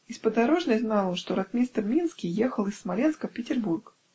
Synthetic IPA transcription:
ɪspəd̪aɾoʐnəjʲznɑlˠonʂt̪oɾɐt̪mʲist̪ərmʲinskʲijexəlˠɨsːmalʲenskəfpʲɪtʲɪrburk

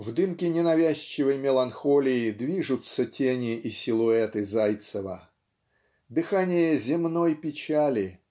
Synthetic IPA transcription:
vd̪ɨmkʲɪnʲɪnɐvʲæɕʲt͡ɕːɪvəjmʲɪlˠɐnxolʲɪɪd̪vʲiʐʊt̪sətʲenʲɪʔisʲɪlˠʊɛt̪ɨzajt̪səvə̰ | d̪ɨxanʲɪjəzʲɪmnojpʲɪt͡ɕalʲɪ

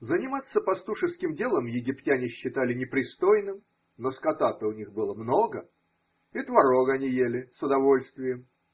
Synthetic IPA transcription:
zənʲɪmat̪sːəpɐst̪uʂɨskʲɪmdʲe̞lˠəmjɪɡʲɪptʲænʲɪɕːɪt̪alʲɪnʲɪpɾʲɪst̪ojnɨm | noskɐt̪at̪əʊnʲixbɨlˠəmno̞ɡə | ɪt̪vɐɾoɡɐnʲijelʲɪsʊd̪ɐvo̞lʲst̪vʲɪjəm

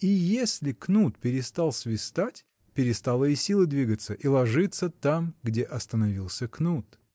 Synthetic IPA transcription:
ijesʲlʲɪknut̪pʲɪɾʲɪst̪alˠsʲvʲɪst̪atʲ | pʲɪɾʲɪst̪alˠəisʲilˠɨd̪vʲiɡət̪səʔilˠɐʐɨt̪sːət̪amɡdʲeʔɐst̪ənɐvʲilˠsʲəknut̪

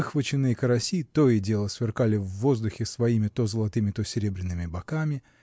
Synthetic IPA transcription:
ɨxvət͡ɕɪnːɨjkəɾɐsʲit̪oɪdʲe̞lˠəsvʲɪrkalʲɪvːo̞zd̪ʊxʲɪsvɐimʲɪt̪ozəlˠɐt̪ɨmʲɪt̪osʲɪɾʲe̞bɾʲɪnːɨmʲɪbɐkamʲɪ

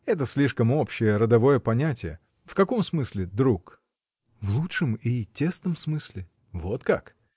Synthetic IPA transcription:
ɛt̪əsʲlʲiʂkəmo̞pɕːɪjəɾəd̪ɐvo̞jəpɐnʲætʲɪjə | fkɐko̞msmɨsʲlʲɪd̪ɾuk | vlˠutʂəmitʲːest̪əmsmɨsʲlʲɪ | vo̞t̪ka̰k

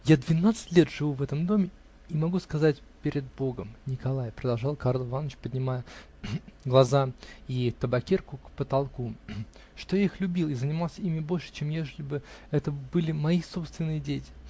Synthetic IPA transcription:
jad̪vʲɪnat̪sɨ̥tʲlʲe̞t̪ʐ̥ɨvuvɛt̪əmd̪o̞mʲɪ | imɐɡuskɐzatʲ | pʲɪɾʲɪd̪̚bo̞ɡəmnʲɪkɐlˠajpɾəd̪ɐlˠʐɑlˠkaɾlˠvanːət͡ɕpədʲnʲɪmajə | ɡlˠɐzait̪əbɐkʲerkʊkpət̪ɐlˠku | ʂt̪o̞jaixlʲʉbʲilˠɪzənʲɪmɑlˠsʲəimʲɪbo̞lʲʂɨ̥t͡ɕemjeʐɨlʲɪbɨɛt̪əbɨlʲɪmɐiso̞pst̪vʲɪnːɨjədʲetʲɪ̥

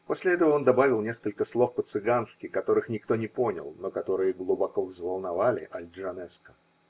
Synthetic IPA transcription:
po̞sʲlʲɪɛt̪əvəo̞nd̪ɐbavʲɪlˠnʲe̞skəlʲkəslˠo̞fpət̪sɨɡanskʲɪkɐt̪o̞ɾɨxnʲɪkt̪o̞nʲɪpo̞nʲɪ̰lˠnokɐt̪o̞ɾɨjəɡlˠʊbɐkovzvəlˠnɐvalʲɪ̰ʔɐlʲʐɐnɛskə̥

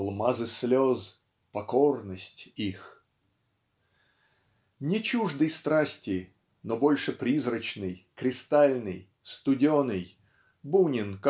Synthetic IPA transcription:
lˠmazɨsʲlʲoz | pɐkornəsʲtʲix | nʲɪt͡ɕuʐd̪ɨjst̪ɾasʲtʲɪ | nobo̞lʲʂɨpɾʲizɾət͡ɕnɨjkɾʲɪst̪alʲnɨj | st̪ʊdʲɪonɨj | bunʲɪnk

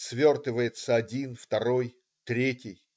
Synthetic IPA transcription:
svʲort̪ɨvəjɪt̪səɐdʲinft̪ɐɾo̞j | t̪ɾʲetʲɪj

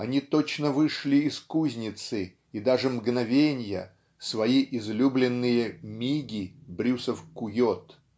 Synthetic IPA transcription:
ɐnʲit̪ot͡ɕnəvɨʂlʲɪɪskuzʲnʲɪt̪sɨ | id̪aʐɨmɡnɐvʲenʲjə̰ | svɐiʔɪzlʲublʲɪnːɨjəmʲiɡʲɪbɾʲusəfkʊjot̪

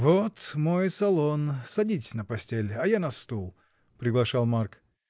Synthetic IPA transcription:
vot̪mojsɐlˠonsɐdʲitʲɪ̥sʲnəpɐsʲtʲelʲɐjanɐst̪ulˠ | pɾʲɪɡlˠɐʂalˠmark

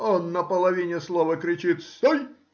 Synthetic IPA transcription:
onːəpəlˠɐvʲinʲɪslˠovəkɾʲɪt͡ɕit̪sɔj

